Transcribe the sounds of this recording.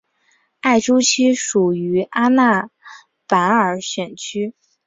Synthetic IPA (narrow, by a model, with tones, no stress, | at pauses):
a˥˩ɪʈ͡ʂu˥t͡ɕʰi˥ʂu˨˩y˧˥ʔa˥na˥˩ | pa˧˥nə˞˨˩ɕɥɛ˨˩nt͡ɕʰy˥